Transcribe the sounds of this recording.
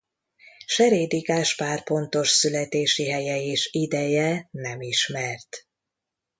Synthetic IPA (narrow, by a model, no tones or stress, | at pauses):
ʃɛɾeːd̪iɡaːʃpaːrpo̞nt̪o̞ʃsylɛt̪eːʃiɦɛjɛeːʃid̪ɛjɛnɛmiʃmɛrt̪